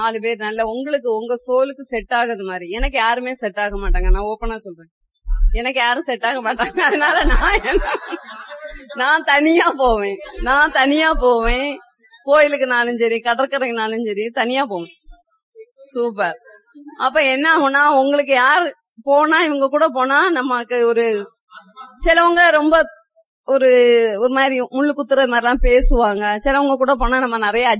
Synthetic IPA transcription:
naːlɯp̬eːɾɯnɐlːɐʊŋɡɐɭɯk̬ːɯʊŋɡɐsoːlɯkːɯsɛʈːaːɣɐðɯmaːd̪ɾiɛnɐkːɯjaːɾɯmeːsɛʈːaːɣɐmaːʈːaːŋɡɐnãːɔpːɐnaːsɔlrẽː | ɛnɐkːɯjaːɾɯ̃sɛʈːaːɣɐmaːʈːaːŋɡɐːðɐnaːlɐnãːɛnːʊ | nãːt̪ɐnɪjaːpoːʋẽːnãːt̪ɐnɪjaːpoːʋẽː | koːjɪlɯkːɯnaːlɯɲd͡ʒɐɾĩkɐɽɐɾkːɐɾɐkːɯnaːlɯɲd͡ʒɐɾit̪ɐnɪjaːpoːʋẽː | suːpɐɾ | ɐpːɾõɛnːaːɣɔnːaːʊŋɡɐɭɯk̬ːɯjaːɾ | poːnaːɪʋɐŋɡɐkuːɽɐpoːnaːnɐmːɐkːɯɔɾɯ | sɪlɐʋɐŋɡɐɾɔmbɐ | ɔɾɯɔɾɯmaːɾimʊɭːɯkːʊt̪ːɯɾɐðɯmaːɾɪlãːpeːsɯʋaːŋɡɐsɪlɐʋɐŋɡɐkuːɽɐp̬oːnaːnɐmːɐnɪɾɐjɐː

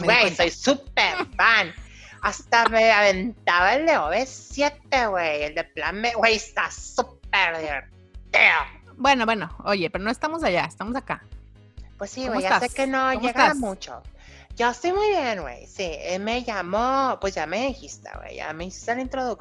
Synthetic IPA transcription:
wejso̞jsup̚eɾfan | ast̪ameaβent̪aβaeld̪eoβesje̞t̪eɣwejeld̪eplanmewejest̪asup̚eɾðiɾ | t̪eo | bwe̞no̞βweno̞oʝepeɾonoe̞st̪amo̞s̬aʝaest̪amos̬aka | pwesːiwweʝaasekenoomʝeɣamut͡ʃo̰ | ɟ͡ʝoest̪ojmujβjenɡwḛjsieme̞ʝamopweszʝame̞ðixist̪ḛwḛjʝa̰me̞isi̥st̪elaint̪ɾoðuk

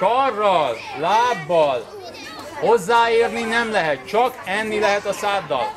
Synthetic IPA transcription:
ɒrːɒl | laːbːɒl | ho̞zːaːeːrninɛmlɛɦɛt̪̚t͡ʃɒkɛnːilɛɦɛt̪ɒsaːd̪ːɒ̰l

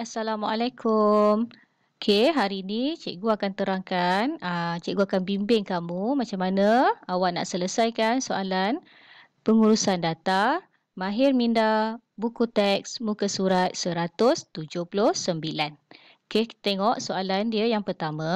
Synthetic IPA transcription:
asalamaʔalekʰum | kʰeɦaɾiinit͡ʃeʔɡuakant̪əɾaŋkanət͡ʃɛʔɡuakanbimbɪŋkamumat͡ʃamːanaawaʔna̰ʔsələsajkansoalan | pəŋuɾusandat̪a | maɦɪrminda | bukut̪ɛksmukəsuɾat̪̚səɾat̪ʊst̪ud͡ʒʊhpulʊhsəmbilan | ket̪ɛŋɔʔsoalandiəjaŋpərt̪amã

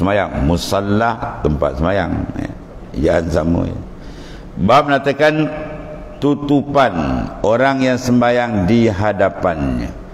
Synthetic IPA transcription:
səmajaŋmusalːaht̪əmpa̰t̪̚səmaja̰ŋja̰ | d͡ʒaansamṵ | bap̚mənat̪akan | t̪ut̪upanoɾaŋjaŋsəmbajaŋdiɦadapanɲa̰

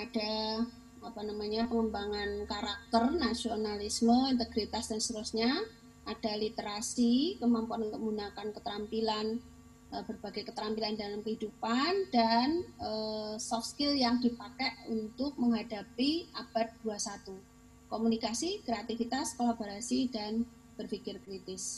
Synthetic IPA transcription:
ad̥a | apanamaɲapəŋəmbaŋankaɾak̚t̪ərnasionalisməint̪əɡɾit̪asd̥anst̪əɾusɲa | ʔad̥alit̪eɾasikəmampoanunt̪uk̚bunakankət̪əɾampilan | əbərbaɡajkət̪əɾampilandalamkəɦidupandanəsɔkskɪljaŋdipakɛʔunt̪ʊk̚məŋɦadapiʔab̥at̪̚d̥uasat̪u | komunikasikɾeat̪ifit̪askolaboɾasidan | b̥ərfikɪrkɾit̪ɪs

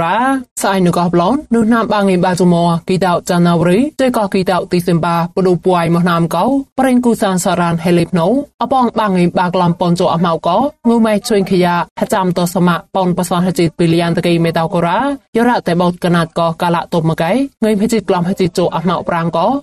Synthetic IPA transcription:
aːsʔajnɨwkɑhplonːuhnaːmɓaːŋimɓaːt͡ɕumɔəkit̪awʔ̚t͡ɕanawɾiːt͡ɕəjkɑhkiːt̪awʔ̚t̪iːsempaːpəɗuːpuajmɔhnaːmkɔwpɾeŋkuːsaːnsaɾaːnɦelipʰnowʔɑpɑŋɓaːŋimɓaːklɑmpont͡ɕoːʔaɦmawʔkɔŋɨmɛht͡ɕʰuŋkʰəjaːʔhʰat͡ɕamt̪ɔsamaːʔponpasɑnhat͡ɕit̪̚piːlijant̪akiːmeːt̪awkoɾaːjɔɾaʔt̪aːɓot̪̚kanaːt̪̚kɑhkaːlaːʔt̪op̚məkaŋɨjmɦət͡ɕiːt̪̚klɔmhət͡ɕit̪̚t͡ɕoʔahmawʔ̚praŋkɑ

